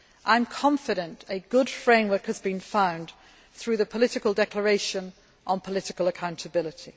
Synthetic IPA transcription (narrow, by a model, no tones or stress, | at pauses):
ʔãɪ̃mkʰɒ̃ɱfɪɾə̃ntəɡʊd̥fɹẽɪ̃mwə˞khəzbĩnfãʊ̃nd̪ | θɹʉːðəpʰəlɪtɪkəlˠdɛkʰləɹeɪʃə̃n | ʔə̃npʰəlɪtɪkəlˠəkʰãʊ̃ntʰəbɪlɪtʰi